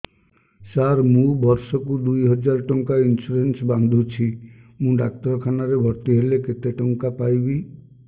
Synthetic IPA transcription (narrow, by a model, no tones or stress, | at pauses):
saɾmũbɔɾsɔkud̪ujɦɔd͡ʒaɾɔʈɔŋkainsuɾensband̪ʱut͡ʃʰimũɖak̚t̪ɔɾɔkʰanaɾebʱɔɾt̪iɦeleket̪eʈɔŋkapajbi